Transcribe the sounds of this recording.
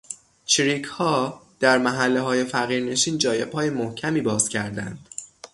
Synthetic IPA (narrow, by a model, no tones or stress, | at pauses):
t͡ʃʰɾikʰhɒːd̪̥æɾmæɦælːeɦɒːje̞fæɣiːɾneʃiːnd͡ʒɒːje̞b̥hɒːje̞mohcʰæmiːbɒːz̥cʰæɾd̪ænd̪̥